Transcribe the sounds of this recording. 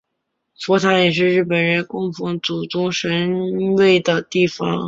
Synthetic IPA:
fɔ˧˥t̪ʰa˧˥jɛ˨˩ʂɻ̩˥˧ɻɻ̩˥˩pə˨˩nɻə˧˥nkʊ˥˩ŋfɤ˧˥ŋt͡su˨˩t͡sʊ˥ŋʂə˧˥nwe˥˩ɪd̪ə˩t̪i˥˩fɑ̰˩ŋ

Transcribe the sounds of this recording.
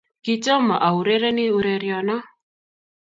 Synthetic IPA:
ki˦t͡ʃɔ˦ma˨ʔa˨u˨ɾe˦ɾɛ˦nɪ˦u˦ɾe˨ɾjɔ˨na˦

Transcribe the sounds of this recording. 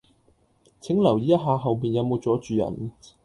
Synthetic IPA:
t͡sʰɪ˨˥ŋlɐ˨˩wjiː˨˥jɐ˥t̚ɦaː˨˧ɦɐ˨wpiː˨njɐ˨˧wmo˨˧wt͡sɔː˨˥t͡ʃyː˨˧jɐ̰˨˩n

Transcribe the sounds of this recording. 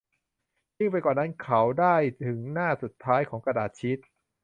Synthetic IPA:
jɯ˥˩ŋp̬a˧jkɔː˨˩nːa˦˥nkʰa˦˥wdaː˥˩jt̪ʰɯ˩˦ŋnaː˥˩su˨˩t̪ʰːaː˦˥jkʰɔː˩˦ŋkɾa˧daː˨˩t̪̚t͡ɕʰi˦˥t̪̚

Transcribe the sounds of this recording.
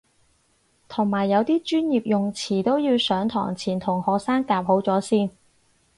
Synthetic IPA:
t̪ʰʊ˨˩ŋmaː˨˩jːɐ˨˧wt̪iː˥t͡ʃyː˥njiː˨p̚jʊ˨ŋt͡sʰiː˨˩t̪o˥wji˧wsœː˨˥ŋt̪ʰɔ̰ː˨˩ŋt͡sʰiː˨˩nt̪ʰʊ˨˩ŋhɔː˨k̚saː˥ŋkaː˧p̚ho˨˥wt͡sɔː˨˥siː˥˩n

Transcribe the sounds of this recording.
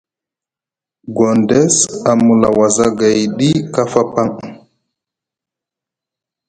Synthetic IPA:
ɡɔ˨ndɛsa˨mu˨la̰waza˦ɡa˨jɗi˦ka˦fa˦pa˦ŋ

